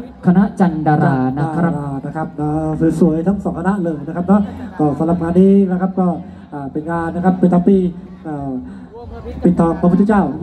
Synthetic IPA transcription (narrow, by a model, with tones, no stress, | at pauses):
kʰa˧na˦˥ʔt͡ɕa˧ndaː˧ɾaː˧˩n˦a˧˩na˦˥kʰa˦˥p̚aː˧˩sɯː˨˩su˩˦əjt̪ʰa˦˥˩ŋsɔː˩˦ŋkʰa˧na˦˥ʔlɤː˧jna˦˥kʰa˦˥p̚nʰɔ˦˥˩kɔː˧˩sa˨˦mla˨˩p̚ŋaː˧nːiː˧˩la˦˥kʰa˦˥p̚kɔː˥˩ | ʔaː˨˩pe˧nkaː˧na˥kʰa˦˥pːi˨˩t̪ʰːɔː˧piː˧ | ʔaː˨˩ | pi˨˩t̪ʰːɔː˧ŋpʰa˧u˧˩t̪ʰːt͡ɕaː˥˩w